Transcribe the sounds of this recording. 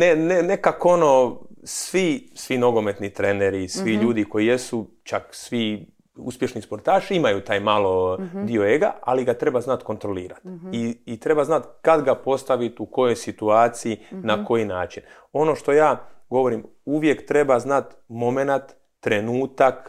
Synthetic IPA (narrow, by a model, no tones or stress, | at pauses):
nenenekako̞no̞sʋisʋino̞ɡome̞t̪nit̪ɾe̞neɾisʋiʎuːd̪iko̞jije̞su | t͡ʃaksʋi | ṵspje̞ʃnispo̞ɾt̪aːʃimajut̪aːjmalˠod̪ioeɡa̰a̰liɡat̪ɾe̞baznat̪ko̞nt̪ɾo̞liːɾat̪iːt̪ɾe̞baznat̪kad̪ɡapo̞st̪aʋit̪uko̞jo̞jsit̪uaːt̪sijinako̞jinaːt͡ʃin | o̞no̞ʃt̪o̞jaːɡo̞ʋo̞ɾim | uʋje̞kt̪ɾe̞baznat̪mo̞me̞nat̪ː | ɾe̞nuːt̪ak